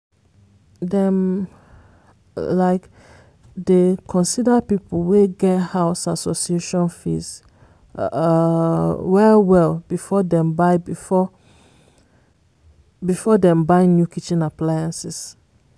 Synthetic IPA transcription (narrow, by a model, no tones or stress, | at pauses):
dɛ̃m | laɪk | dekʰɔ̃nsidəpipl̩weɡɛthaʊsasosieʃɔ̃nfḭs | wɛwɛlbifɔdɛ̃mbaɪbifɔ | bifɔdɛ̃mbaɪ̃njukʰit͡ʃĩnaplajãnsis